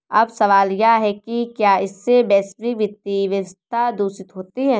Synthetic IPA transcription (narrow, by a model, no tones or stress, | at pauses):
ɐbsɐʋaːljaɦɛkikjaːɪsːebɛːsʋiʋɪt̪ːiʋjɐʋəst̪ʰad̪uːsɪt̪ɦoːt̪iɦɛ̃ː